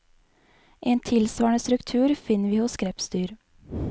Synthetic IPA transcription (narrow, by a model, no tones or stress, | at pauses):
ʔeːnt̪ʰɪlsʋɑːɳəst̪ɾʉkt̪ʰʉːɾfɪnəʋiːhʊskɾɛpst̪yːɾ